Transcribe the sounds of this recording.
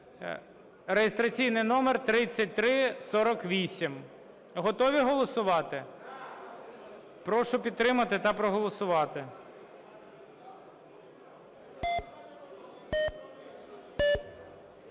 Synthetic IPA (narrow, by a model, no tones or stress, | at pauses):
ɾejɪst̪ɾɐt͡sʲijnɪjnɔmert̪ɾɪt͡sʲːɐt̚ʲt̪ɾɪsɔɾɔkʋʲisʲim | ɦɔt̪ɔʋʲiɦɔlˠɔsʊʋɑt̪ɪ | pɾɔʃʊpʲid̪̚t̪ɾɪmɐt̪ɪt̪ɐpɾɔɦɔlˠɔsʊʋɑt̪ɪ